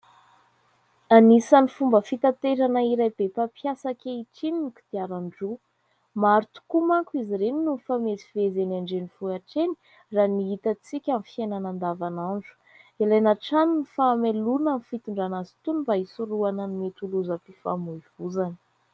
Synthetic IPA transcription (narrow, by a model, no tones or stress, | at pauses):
anisanifumbəfit̪at̪eɾanəiɾajbepapjasakʲeiʈ͡ʂininiki̥d̪iaɾaɳɖ͡ʐu | maɾut̪u̥kumaŋkuiziɾeninunfamezivezenaɳɖ͡ʐenifuaʈ͡ʂeni̥ | raniɦit̪at͡sikʲamfiananand̪avanaɳɖ͡ʐu̥ | ilanaʈ͡ʂaninifamelunanifit̪uɳɖ͡ʐanazi̥t̪unimbaisuɾuanənimet̪uluzəpifa̰muiv̥uzani̥